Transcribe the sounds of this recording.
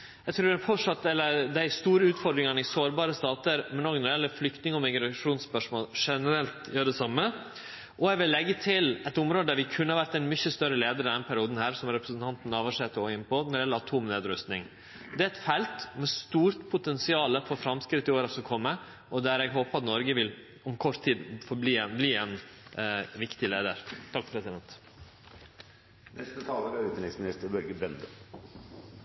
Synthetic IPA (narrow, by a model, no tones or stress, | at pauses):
ɛɡt̪ʰɾʉːɾɛfɔʈʂɑt̪ːɛlːəɾd̪æɪst̪uːɾəʉːt̪fɔɾɖ̪ɾɪŋɑnɪsoːɾbɑːɾəst̪ɑːt̪əɾmɛnoːɡnɔɾɪɛlːəflʏkt̪nɪŋɔmɪɡɾɑʂuːnspœʂmoːlʂɛnəɾɛlt̪jøːɾɖ̪ɛsɑmːə | ʔɔɛɡʋɪlːɛɡːət̪ʰɪlɛt̪ʊmɾoːd̪əd̪æɾʋɪkʰʉnːəhɑʋæɾt̪ɛɪnmʏçəst̪œɾəleːd̪əɾɪd̪ɛnpʰæɾɪuːd̪n̩hæːɾsɔmɾɛpɾəsən̩t̪ʰɑnt̪n̩ɑːʋɑʂɛt̪ːəɔɪnːpɔnɔɾɪɛlːəɾɑt̪ʰuːmnḛːd̪ɾʉst̪nɪ̰ŋ | d̪ɛæɛt̪fɛlt̪mɛst̪uːɾt̪pʰʊt̪ʰɛnsɪɑːləfɔɾfɾɑmskɾɪt̪ːɪoːɾɑsɔkʰɔmːə | ɔd̪æɾɛɡɦoːpəɑt̪nɔɾɡəʋɪl | ɔmkʰɔɾt̪ʰːiːd̪fɔːbliːɛnbliːɛn | ʋɪkt̪ɪleːd̪əɾt̪ʰɑkːpʰɾɛsɪd̪ɛnt̪ | nɛst̪ət̪ʰɑːləɾæʉːt̪ɛɪŋsmɪnɪst̪əɾbœɾɡəbɾɛnd̪ə